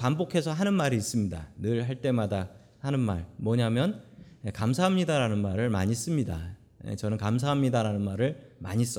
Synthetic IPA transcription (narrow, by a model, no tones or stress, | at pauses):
pambokʰe̞sʰʌɦanɯnmaɾiːs͈ɯmɲida̰nɯɭɦaɭt͈e̞mada | hanɯnma̰ɭmwʌɲamjʌnjekamsʰaɦamɲidaɾanɯnmaɾɯɭma̰ɲis͈ɯmɲida̰ | jḛt͡ɕʌnɯnkams̬ʰaɦamɲidaɾanɯnmaɾɯɭma̰ɲis͈ʌ